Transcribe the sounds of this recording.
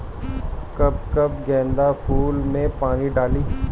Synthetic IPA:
kɐb̚kɐbɡɛ̃ːnd̪apʰuːlmẽpaːniɖaːliː

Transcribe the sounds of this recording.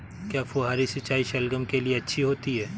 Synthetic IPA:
kjaːfoːɦaːɾisɪt͡ʃːaːiʃɛlɡəmkelieɐtːʃʰiɦoːt̪iɦɛː

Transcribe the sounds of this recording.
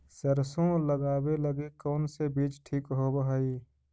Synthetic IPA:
səɾsõləɡaːweləɡikɔːnsebiːt͡ʃʈʰiːkɦobəɦaiː

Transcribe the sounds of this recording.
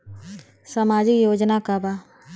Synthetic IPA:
samaːd͡ʒɪkjoːd͡ʒnakaba

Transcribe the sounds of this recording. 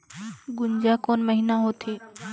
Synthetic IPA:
ɡʊɲd͡ʒakoːnməɦinaɦot̪ʰeː

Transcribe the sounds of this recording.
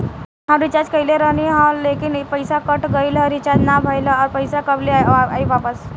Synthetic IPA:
ɦãmɾit͡ʃad͡ʒkəileɾəɦniɦɔ̃lekinpəjsakəʈɡəjləɾit͡ʃad͡ʒnabʱəjləɔːɾpəjsakəbleaiʋapəs

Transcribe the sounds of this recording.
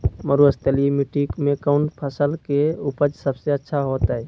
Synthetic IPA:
məɾuəst̪əlimiʈikmẽkəʊɳpʰəsəlkeupəd͡ʒsəbseətːʃʰaɦot̪ɦɛ

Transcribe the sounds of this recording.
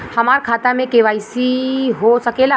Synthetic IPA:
həmaːɾkʰaːt̪amẽkeʋaːisiɦosəkeːla

